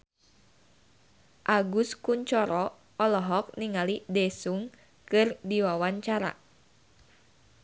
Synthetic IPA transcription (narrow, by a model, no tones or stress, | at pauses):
ʔaɡuskuɲt͡ʃɔɾɔ | ɔlɔɦɔk̚niŋalidɛsuŋ | kɨrdiwawaɲt͡ʃaɾa̰